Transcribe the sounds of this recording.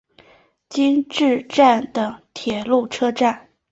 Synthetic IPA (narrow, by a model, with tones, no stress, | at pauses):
t͡ɕi˥ŋʈ͡ʂɻ̩˥˧ʈ͡ʂa˥˩nd̪ə˩t̪ʰjɛ˨˩lu˥˩ʈ͡ʂʰɤ˥ʈ͡ʂa˥˩n